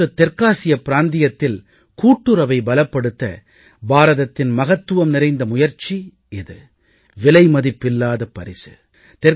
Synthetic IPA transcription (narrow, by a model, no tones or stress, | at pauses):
ɐt̪ːɛɾkaːsɪjɐpɪɾaːnd̪ɪjɐt̪ːɪl | kuːʈːɯɾɐʋɐɪbɐlɐpːɐɽɯt̪ːɐ̰ | baːɾɐðɐt̪ːɪnmɐɣɐt̪ːɯʋɐmnɪɾɐɪnd̪ɐmʊjɐɾt͡ʃi | ɪðɯ | ʋɪlɐɪmɐðɪpːɪlːaːðɐpːɐɾɪsɯ̥ | t̪ɛɾ